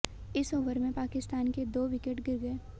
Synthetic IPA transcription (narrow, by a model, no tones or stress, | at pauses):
ɪsoːʋəɾmẽpaːkɪst̪aːnked̪oːʋɪkeʈɡɪɾɡəe